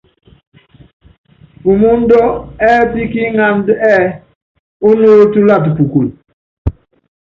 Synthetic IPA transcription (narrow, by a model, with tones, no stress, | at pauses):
ku˨mu˦n˦dɔ˦ɛ˦pi˦ki˦ŋa˦ndɛ˦˨ | o˦noː˦ltu˦la˦˨tpu˨ku˨l